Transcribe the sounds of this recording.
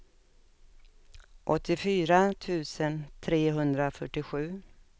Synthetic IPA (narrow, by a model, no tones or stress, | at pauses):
ʔɔt̪ːɪfyːɾat̪ʰʉ̟ːsənt̪ʰɾeːɦɵnd̪ɾafœʈːɪɧʉ̟ː